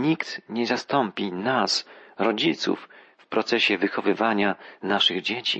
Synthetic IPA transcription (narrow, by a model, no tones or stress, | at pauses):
ɲikt̪ɲɛzast̪ɔmpʲinasɾɔd͡ʑit̪sṵfː | pɾɔt̪sɛɕɛvɘxɔvɘvaɲanaʂɘɣd͡ʑet͡ɕḭ